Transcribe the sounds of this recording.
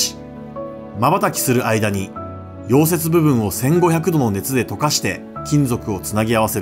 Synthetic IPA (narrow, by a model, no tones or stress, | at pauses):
mabat̪akʲi̥sɨɾɯ̟ʔaid̪aɲ̟i | jo̞ːse̞t͡sɨbɯ̟βɯ̟̃ɰ̃o̞sẽ̞ŋɡo̞çʲakɯ̟d̪o̞no̞ne̞t͡sɨd̪e̞t̪o̞kaɕi̥t̪e̞ | kʲĩnd͡zo̞kɯ̟o̞t͡sɨnaɡʲiaβ̞ase̞ɾɯ